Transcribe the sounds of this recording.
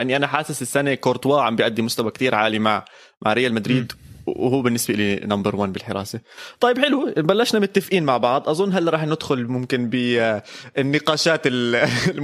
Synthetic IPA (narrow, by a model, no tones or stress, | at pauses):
ʔanːiʔanaħaːsɪsɪsːanekoɾt̪waːʕambijʔad̪ːimʊst̪awakt̪iːɾʕaːlimaʕ | ma̰ʕɾɪjːalmad̪ɾiːd̪whuːbɪnːɪsbeʔɪlinambɑɾˤwanːbɪlħɪɾɑ̰ːset̪ˤɑjːɪbħɪlubalːaʃnamʊt̪ːafʔiːnmaʕbɑʕd̪ˤʔɑzˤʊnːɦalːɾˤɑːħnɪd̪xʊlmʊmkɪnbɪ | ɪnːɪqɑːʃaːt̪ɪl